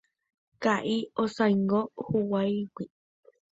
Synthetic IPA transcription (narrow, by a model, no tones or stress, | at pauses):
kaʔiosajŋɡohuwajwi